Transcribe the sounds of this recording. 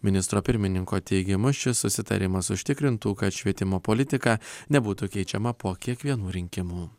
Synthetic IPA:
mʲɪnʲɪst̪ɾoːpʲɪɾʲmʲɪnʲɪŋkoːt̪ʲɛɪɡʲɪmʊʃʲɪssʊsʲɪt̪ɐ̰ɾʲɪmɐsʊʃʲt̪ʲɪkɾʲɪnt̪uːkɐt̪ʃʲʋʲiɛt̪ʲɪmoːpɔlʲɪt̪ʲɪkɑːnʲɛbuːt̪uːkʲɛɪt͡ʃʲɛmɐpuɔkʲiɛkʋʲiɛnuːɾʲɪŋʲkʲɪmuː

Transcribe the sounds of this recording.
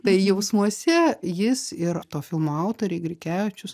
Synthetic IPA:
t̪ɐɪjɛʊsmuɔsʲɛjɪsɪɾt̪oːfʲɪlˠmoɐʊt̪oːɾʲeɪɡɾʲɪkʲæːʋt͡ʃʲʊs

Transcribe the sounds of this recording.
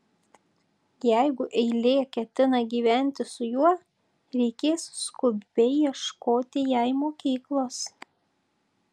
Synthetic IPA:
jæɪɡʊʔɛɪlʲeːkʲɛt̪ʲɪnɐɡʲiːʋʲæˑnʲt̪ʲɪsʊjuɔ | ɾʲɛɪkʲeːsskʊbbʲɛɪjiɛʃkoːt̪ʲɪjɛɪmoːkʲiːklˠoːs

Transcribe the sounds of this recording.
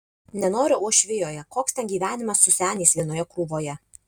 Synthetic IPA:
nʲɛnoːɾʲɪʔuɔʃʲʋʲɪjoːjɛkoːkst̪ʲɛnɡʲiːʋʲæːnʲɪmɐsːʊsʲæːnʲiːsʋʲiɛnoːjɛkɾuːʋoːjɛ

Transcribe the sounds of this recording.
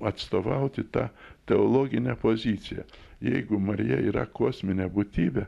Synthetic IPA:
ɐt̪st̪oːʋɐʊt̪ʲɪt̪ɑːt̪ʲɛolˠoːɡʲɪnʲɛpoːzʲiːt̪sʲɪjɛ̰jɛɪɡʊmɐɾʲɪjɛ̰iːɾɐ̰koɔsʲmʲɪnʲɛbʊt̪ʲiːbʲɛ

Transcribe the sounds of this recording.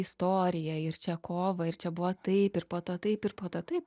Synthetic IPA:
ɪst̪oːɾʲɪjɛɪrt͡ʃʲɛkʰoːʋɐɪrt͡ʃʲɛbʊʋɐt̪ɐɪpɪɾpoːt̪oːt̪ɐɪpɪɾpoːt̪oːt̪ɐɪp

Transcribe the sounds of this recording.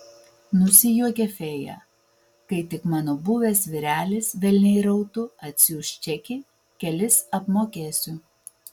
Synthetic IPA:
nʊsʲɪjuɔkʲɛfʲeːjɛ̰ | kɐɪt̪ʲɪkmɑːnoːbʊʋʲɛːsʋʲɪɾʲæːlʲɪsʋʲɛlʲnʲɛɪɾɐʊt̪ʊɐt̪ʲsʲɪʊʃʲt͡ʃʲɛkʲɪ | kʲɛlʲɪsɐpmoːkʲeːsʲʊ

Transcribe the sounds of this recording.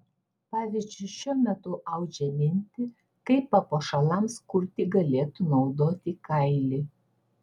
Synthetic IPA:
pɑːʋʲizʲd͡ʒʲʊɪʃʲuɔmʲɛt̪ʊʔɐʊd͡ʒʲɛmʲɪnʲt̪ʲɪ | kɐɪpːɐpoːʃɐlˠɐmskʊɾʲt̪ʲɪɡɐlʲeːt̪unɒʊd̪oːt̪ʲikɐɪlʲɪ

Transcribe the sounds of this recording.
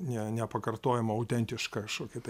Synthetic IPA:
nʲɛnʲɛpɐkɐrt̪oːjɛmɐɐʊt̪ʲɛnʲt̪ʲɪʃkɐkɐʃkoːkʲɪt̪ɐ

